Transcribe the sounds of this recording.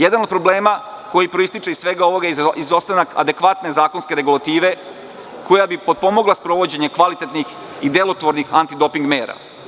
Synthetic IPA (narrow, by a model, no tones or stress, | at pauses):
jed̪anod̪̚pɾo̞ble̞ːma | ko̞jipɾoist̪it͡ʃeisʋe̞ɡao̞ʋo̞ɡaizo̞st̪anaka̰d̪e̞kʋat̪ne̞zaːko̞nske̞ɾeɡulat̪iːʋe̞ | ko̞jabipo̞d̪̚po̞mo̞ɡlˠaspɾo̞ʋo̞d͡ʑe̞ɲekʋalit̪e̞t̪nix | id̪e̞lo̞t̪ʋo̞ɾnixant̪id̪o̞piŋɡme̞ːɾa̰